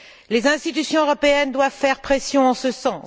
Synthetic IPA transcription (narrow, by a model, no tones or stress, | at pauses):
lezɛ̃st̪it̪ysjɔ̃øʁɔpeɛnd̪wavfɛʁpχesjɔ̃ɑ̃səsɑ̃